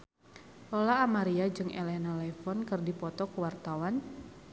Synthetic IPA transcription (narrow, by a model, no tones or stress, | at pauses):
lɔlaːmaɾiad͡ʒɨŋɛ̰lɛnalɛfɔnkɨrdipɔt̪ɔkəwart̪awan